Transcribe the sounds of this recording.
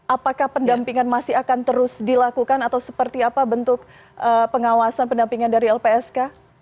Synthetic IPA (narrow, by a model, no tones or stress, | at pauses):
ʔapakahpəndampiŋanmasɪakant̪əɾʊsdilakukanat̪awsəpərt̪iapabənt̪ʊk̚ | ʔəpəŋawasanpəndampiŋandaɾiɛlpeɛska